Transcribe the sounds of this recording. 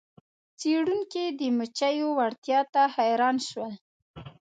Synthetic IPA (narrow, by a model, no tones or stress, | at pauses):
t͡seɽuŋkid̪əmət͡ʃajowaɽt̪jɑt̪ahajɾɑnʃwəl